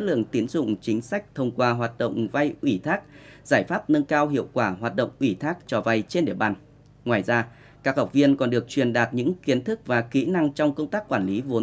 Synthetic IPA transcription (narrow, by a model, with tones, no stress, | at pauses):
lɨ̰˧˨əŋt̪i˨˦ənzʊ̰˧˨ŋ͡mt͡ɕï˨˦ŋ̟sa˦˥jk̟̚t̪ʰə˧wŋ͡mkwaː˧ɦwaː˨˩t̚ɗə̰˧˨wŋ͡mva˧jʔwi˧˩t̪ʰaː˦˥k̚z̥aː˧˩jfaː˦˥p̚nə˧nkaː˧wɦḭ˧˨əwkwaː˧˩ɦwaː˨˩t̚ɗə̰˧˨wŋ͡mʔwi˧˩t̪ʰaː˦˥k̚t͡ɕɔ˨˩va˧jt͡ɕe˧nɗḭ˧˩əɓaː˨˩n | ŋwaː˨˩jzaː˧ | kaː˦˥k̚ha˨˩wk͡p̚vi˧ənkɔ˨˩nɗɨ˨˩ək̚t͡ɕwi˨˩ənɗaː˨˩t̚ɲɨ̰˧˥ŋki˨˦ənt̪ʰɨ˦˥k̚vaː˨˩kḭ˧˥na˧ŋt͡ɕɔ˧wŋ͡mkə˧wŋ͡mt̪aː˦˥k̚ːwaː˧˩nli˨˦vo˨˦